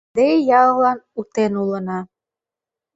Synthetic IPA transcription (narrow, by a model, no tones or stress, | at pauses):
d̪ejɑlˠlɑnut̪enulənɑ